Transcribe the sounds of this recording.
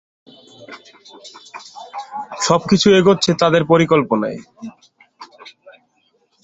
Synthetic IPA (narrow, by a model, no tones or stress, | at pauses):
ʃɔb̚kit͡ɕʰueɡotːɕʰet̪ad̪eɾpoɾikolpona̰e